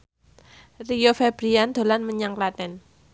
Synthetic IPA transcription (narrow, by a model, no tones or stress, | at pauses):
rijofɛb̥ɾiand̪̥o̤lanməɲaŋklat̪ɛn